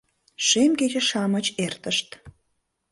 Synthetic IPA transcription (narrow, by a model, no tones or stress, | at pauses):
ʃemɡed͡ʑeʃɑmət͡ɕert̪əʃt̪